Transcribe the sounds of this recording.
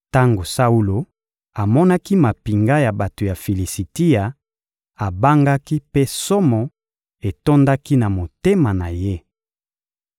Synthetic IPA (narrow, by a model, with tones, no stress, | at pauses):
ta˦ŋɡo˨sa˦u˦lo˨ | a˨mɔ˦na˦ki˦ma˨pi˨ŋɡa˦ja˨ba˨to˨ja˨fi˨li˨si˨ti˦ja˨ | a˨ba˦ŋɡa˦ki˦pe˦so˦mɔ˨ | e˨to˦nda˦ki˦na˨mo˨te˦ma˨na˨je˦